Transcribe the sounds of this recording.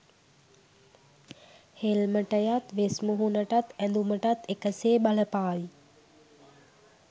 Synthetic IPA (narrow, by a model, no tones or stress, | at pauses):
helməʈəjat̪ʋesmuɦunəʈat̪ænd̪uməʈat̪ekəseːbaləpaːji